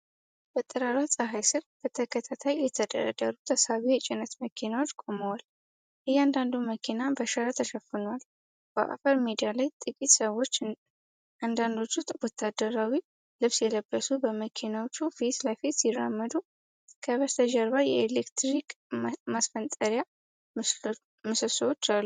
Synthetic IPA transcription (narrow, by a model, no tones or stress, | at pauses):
b̥ət̪ʼːɨɾaɾasʼəɦajsɨɾb̥ət̪ʰəkʰət̪ʰat̪ʰajːɛt̪ʰəd̪ə̰ɾə̰d̪ə̰ɾut̪ʰəsaβijɛt͡ʃʼɪnət̪məkʰinawot͡ʃːkʼo̞məwal | ʔɨjand̪and̪uməkʰinabəʃaɾat̪ʰəʃəfɨnwal | b̥ə̰ʔa̰fəɾmid̪ijalajt̪ʼɨkʼit̪səwːo̞t͡ʃː | ʔand̪and̪o̞t͡ʃːut̪wɔt̪ʰːad̪əɾawi | lɨβsjɛləbːəsubəməkʰinawot͡ʃːufit̪ləfit̪sɪrːa̰mːəd̪u | kʰəβəst̪ʰəʒəɾβajjɛelekt̪ɾikʼ | masfənt̪ʼəɾja | mɨsɨswot͡ʃːalːu